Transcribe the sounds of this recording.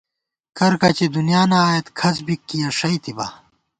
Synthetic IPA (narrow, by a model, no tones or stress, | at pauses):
kɐɾkɐt͡ɕid̪unijaːnaːjet̪kʰɐt͡sbikːijɐʂɐjt̪ʰiba̰